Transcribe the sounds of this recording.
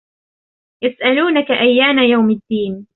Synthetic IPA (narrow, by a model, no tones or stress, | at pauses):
jasʔaluːnakaʔajːaːmajawmɪd̪ːiːn